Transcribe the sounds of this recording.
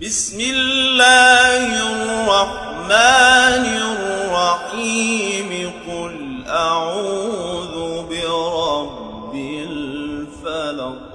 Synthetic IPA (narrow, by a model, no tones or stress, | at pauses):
bɪsmɪlːaːhɪrːɑħ | maːnɪrˤːɑħiːmɪqʊl | ʔaʕuːðʊbɪɾˤɑbː | ɪlfalak